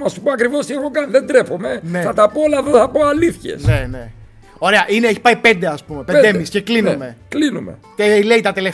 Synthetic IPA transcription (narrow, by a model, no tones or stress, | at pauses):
nɐsupoɐkɾivo̞st̪ieɣo̞kɐniðend̪ɾefo̞me̞ne̞θɐt̪ɐpoolɐðoθɐpo̞aliθçḛsnene | o̞ɾe̞ɐʔineeçi̥pɐipe̞nd̪eɐspumeped̪emisceklinume̞klinumḛcele̞it̪ɐt̪elef